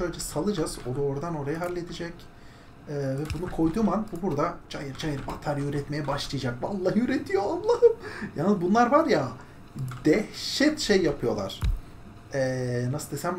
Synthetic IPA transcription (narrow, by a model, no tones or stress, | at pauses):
ʃøjlʲd͡ʒɛsalˠɯd͡ʒaz̥od̪aoɾd̪ano̞ɾajɯɦalʲːe̞d̪id͡ʒɛc | ɛːvɛbunukʰo̞jd̪umanbubuɾd̪ad͡ʒajɯɾd͡ʒajɯɾbat̪ʰaɾjøɾɛt̪me̞jɛbaʃlˠɯjad͡ʒakvalˠːaːøɾet̪ʰijoanlˠaɯmjaːnzbunlˠaɾvaɾja | d̪ɛhʃɛt̪ʃejːapʰɯjo̞lˠa̰ɾ̥ | ɛːnasɯld̪esæm